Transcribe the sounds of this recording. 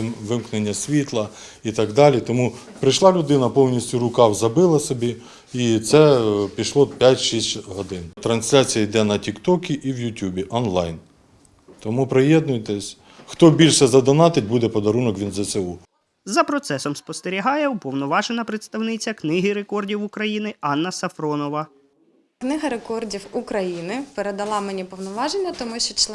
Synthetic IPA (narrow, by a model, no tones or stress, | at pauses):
ʋɪmknenʲːɐsʲʋʲit̪lˠɐ | it̪ɑɡd̪ɑlʲit̪ɔmu | pɾɪjʃlˠɑlʲʊd̪ɪnɐpɔwnʲisʲtʲʊɾʊkɑwzɐbɪlˠɐsɔbʲi | it̪sɛpʲiʃlˠɔpʲjatʲʃisʲtʲɦɔd̪ɪnt̪ɾɐnsʲlʲat͡sʲijɐjd̪ɛnɐtʲikt̪ɔkʲiʔiwjʊtʲubʲiʔɔnlˠɑjn | t̪ɔmupɾejɛd̪nʊjt̪ɛsʲ | xt̪ɔbʲilʲʃɛzɐd̪ɔnɑt̪ɪt̚ʲbud̪ɛpɔd̪ɐɾunɔkʋʲinzɐseu | zɐpɾɔt̪sɛsɔmspɔst̪eɾʲiɦɑjɛupɔwnɔʋɑʒenɐpɾɪt̪st̪ɐwnɪt͡sʲɐknɪɦɪɾekɔrdʲiwʊkɾɐjinɪɑnːɐsɐfɾɔnɔʋɐ | knɪɦɐɾekɔrdʲiwukɾɐjinɪpeɾed̪ɐlˠɑmenʲipɔwnɔʋɑʒenʲːɐt̪ɔmʊʃt͡ʃɔt͡ʃ̪ˠ